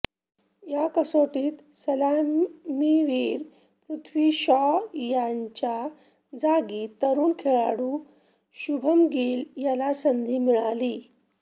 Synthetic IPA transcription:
jakəsoʈiːt̪səlamiʋiːɾ | pɾut̪ʰʋiːɕɔjaɲt͡ɕa | d͡zaɡiːt̪əɾuːnkʰeɭa̰ɽuː | ɕubʱəmɡiːljalasənd̪ʱiːmiɭaliː

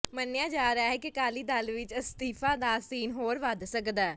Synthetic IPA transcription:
mənːɪjaːd͡ʒaːɾaːɦɛːkɪkaːliːd̪aːlʋɪt͡ʃəst̪iːfʰaːd̪aːsiːnɦoːɾʋad̪səkd̪aː

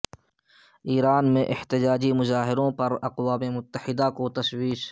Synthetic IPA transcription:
iːɾaːnmẽʔɪht̪ɪd͡ʒaːd͡ʒimʊzaːɦɪɾõpɐɾɐqwaːmemʊt̪ːəhɪd̪akot̪ɐswiːʃ

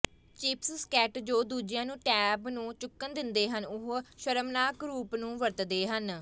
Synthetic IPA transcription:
t͡ʃiːpsskɛːʈd͡ʒoːd̪uːd͡ʒɪjãːnũːʈɛːbnũːt͡ʃʊkːənd̪ɪnd̪eːɦənʊɦʃəɾəmnaːkɾuːpnũːʋəɾt̪d̪eːɦən

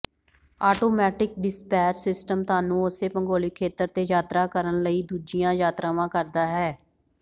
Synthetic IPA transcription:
aːʈoːmɛːʈɪk̚ɖɪspɛːɾsɪsʈəmt̪aːnũːʊseːpəŋɡoːliːkʰeːt̪əɾt̪eːjaːt̪ɾaːkəɾənləiːd̪uːd͡ʒɪjãːjaːt̪ɾãːʋãːkəɾd̪aːɦɛː

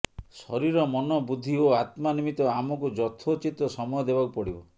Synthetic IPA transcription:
sɔ̰ɾiɾɔmɔnɔbud̪ʱːioat̪manimit̪ɔamɔkud͡ʒɔt̪ʰot͡ʃit̪ɔsɔmɔjɔd̪ebakupɔɽibɔ̰

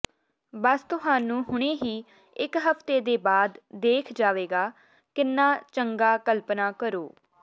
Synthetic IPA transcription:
bəst̪ʊɦãːnũːɦʊɽ̃eːɦiː | ɪkɦəpʰt̪eːd̪eːbaːd̪ːeːkʰd͡ʒaːʋeːɡaː | kɪnːaːt͡ʃəŋɡaːkəlpnaːkəɾoː

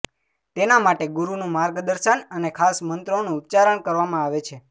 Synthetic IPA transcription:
t̪enamaʈeɡuɾunũmaɾɡd̪əɾʃənənekʰasmənt̪ɾoonũːt̪t͡ʃaɾəɳkəɾʋamãaʋet͡ʃʰe

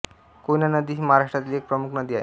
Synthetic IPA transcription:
konjanəd̪iːɦimaɦaɾaʂʈɾat̪ilek̚pɾəmukʰnəd̪iːaḛ

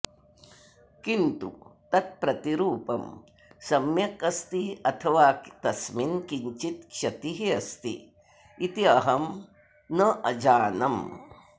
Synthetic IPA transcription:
kint̪ṵt̪ɐt̪̚pɾɐt̪iɾuːpɐm | sɐmjɐkɐst̪iɐt̪ʰɐʋaːt̪ɐsminkiɲt͡ʃit̪kʃɐt̪iɦiɐst̪ḭ | it̪iɐɦɐm | nɐʔɐd͡ʒaːnɐm

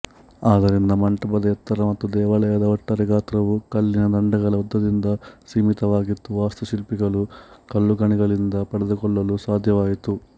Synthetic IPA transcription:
aːd̪ɐɾind̪ɐmɐɳʈɐpɐd̪ɐjɐt̪ːɐɾɐmɐt̪ːud̪ɛːʋɐlɐɛːd̪ɐʋɐʈːɐɾiɡaːt̪ɾɐʋukɐlːinɐd̪ɐɳɖɐɡɐlɐud̪ːɐd̪ind̪ɐsiːmit̪ɐʋaːɡit̪ːuʋaːst̪usilpiɡɐlukɐlːuɡɐɳiɡɐlind̪ɐpɐɽɐd̪ɐkɔɭːɐlusaːd̪ʱjɐʋaːjit̪u

